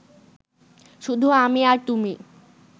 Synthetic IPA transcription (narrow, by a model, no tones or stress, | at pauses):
ʃud̪ʱuamiaɾt̪umi